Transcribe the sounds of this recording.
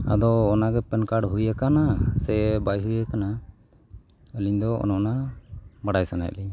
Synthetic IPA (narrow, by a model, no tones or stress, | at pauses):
a̰d̪ɔːnaɡɛpɛnkaɽɦujakanasɛbajɦujakana | əliɲd̪ɔɔ̰nɔʔnamaɽajsana̰j̰li